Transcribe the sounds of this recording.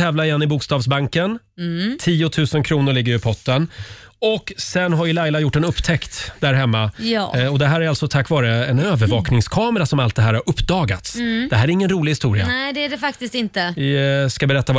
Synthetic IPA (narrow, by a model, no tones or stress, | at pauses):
ɛːvlaɾɪjɛnːɪbʊkst̪ɑːvsbaŋkən | t̪ʰiːʊt̪ʰʉ̟ːsənkʰɾuːnʊɾɭɪɡːəɾɪpʰɔʈːən | ɔkːsɛnɦaɾɪlajlajʊʈːɛnɵpːt̪ʰɛkt̪d̪æɾɦɛmːajɔd̪ɛɦæːɾæɾalsɔt̪ʰakːvɑːɾəɛnøːvəɾvɑːknɪŋskʰɑːməɾasɔmalt̪̚d̪ɛɦæːɾhaɾɵpːd̪ɑːɡa̰t̪sd̪ɛɦæːɾæɾɪŋːənɾuːlɪɡhɪst̪uːɾɪa̰ɛd̪ɛæɖɛfakt̪ɪst̪ɪnt̪əvɪskabɛɾɛt̪ːav